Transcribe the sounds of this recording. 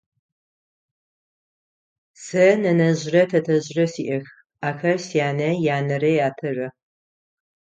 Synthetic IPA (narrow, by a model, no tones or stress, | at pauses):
sɐnɐnɐʑrɐtʰɐtʰɐʑrɐsiːʔɐx | aːxɐrsijaːnɐjaːnɐɾɐjaːtʰɐrɐ